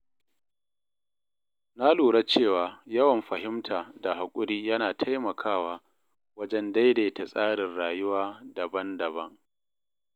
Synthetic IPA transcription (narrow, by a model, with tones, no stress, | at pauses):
na˦luː˨ɽa˦t͡ʃeː˦˨waː˨jɐ˦wɐ˨mɸɐ˨ɦɪ˦mtʰaː˨da˨ɦa˨kʷʼʊ˦ɾiː˦jɐ˦naː˨tʰa˦jmɐ˨kʰaː˦˨waː˦ | wɐ˦d͡ʒɛ˦nda˦jde˨ta˨sʼaː˦ɽɪ˨nɽaː˨jʊ˦waː˦dɐ˨bɐ˦ndɐ˨bɐ˦ŋ